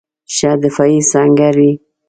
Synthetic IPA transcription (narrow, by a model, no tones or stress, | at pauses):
ʃad̪ɪfaisaŋɡaɾi